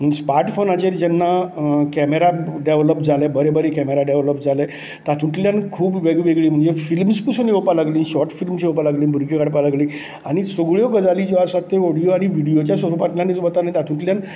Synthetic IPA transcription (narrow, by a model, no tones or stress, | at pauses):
smaɾʈfonat͡ɕeɾd͡ʑɛnːakɛmeɾaɖeʋləpd͡zalebəɾebəɾekɛmeɾaɖeʋləpd͡zale | t̪at̪ʰũʈljankʰuːbʋeɡiʋeɡɭiːm̤əɳd͡zefilmspusəneʋpalaɡlĩːnɕɔʈfilmsewpalaɡliːbʱuɾɡekaɽpalaɡliː | aɽ̃isəɡɭjoɡəd͡zalid͡ʑoaɾsat̪ːeɔɽijoaɽ̃iʋiɽijot͡ɕjasʋəɾupãʈljãnet͡sʋət̪anait̪at̪ʰũʈljan